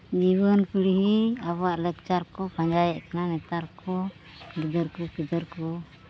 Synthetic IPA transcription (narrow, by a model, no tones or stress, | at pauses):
d͡ʒibənpʰiɽiɦiabaʔlɛk̚t͡ʃaɾkɔpaɲd͡ʒajɛʔkananɛt̪aɾkɔ | ɡid̪əɾkukid̪əɾkɔ